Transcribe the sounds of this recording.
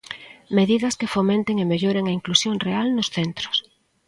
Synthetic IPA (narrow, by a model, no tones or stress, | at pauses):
meðiðɐskɪfomẽnt̪eŋemeʎoɾeŋɐiŋklusjoŋrealnʊsθent̪ɾʊ̥s